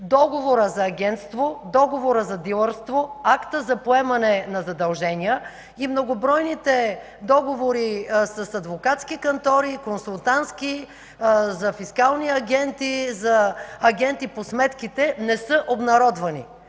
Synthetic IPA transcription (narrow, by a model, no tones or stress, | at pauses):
d̪ɔɡovoɾəzɐːɡʲɛnt̪st̪vod̪ɔɡovoɾəzɐd̪ilˠəɾst̪voakt̪əzɐpoɛmɐnɛnɐzɐd̪ɐlˠʒɛnʲiə | imnoɡobɾɔjnit̪ɛ | d̪ɔɡovoɾisɐsɐd̪vokat̪skikɐnt̪ɔɾikonsulˠt̪ant̪ski | zɐfiskalˠniɐɡʲɛnt̪izɐːɡʲɛnt̪iposmɛt̪kit̪ɛnɛsɤʔobnɐɾɔd̪vɐnḭ